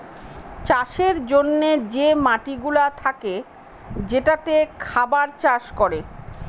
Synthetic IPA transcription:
t͡ɕaʃeɾd͡ʑonːed͡ʑemaʈiɡulat̪ʰake | d͡ʑeʈat̪ekʰabaɾt͡ɕaʃkoɾe

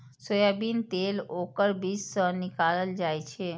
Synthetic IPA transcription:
sojabint̪elokəɾbissənikaləld͡ʒajt͡ʃʰe

